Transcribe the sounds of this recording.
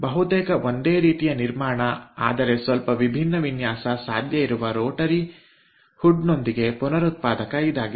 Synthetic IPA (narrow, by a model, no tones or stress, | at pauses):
bɐɦut̪eːkɐʔo̞nd̪eːɾiːt̪ijɐniɾmaːɳɐa̰ːd̪ɐɾe̞sʋɐlpɐʋibʱinːɐʋinjaːsɐsa̰ːd̪ʱjɐiɾuʋɐɾoːʈɐɾi | huɖno̞nd̪iɡe̞punɐɾut̪̚paːd̪ɐkɐid̪aːɡi